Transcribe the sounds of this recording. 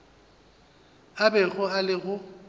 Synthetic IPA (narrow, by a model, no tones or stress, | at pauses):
abɛɣʊalɪɣʊ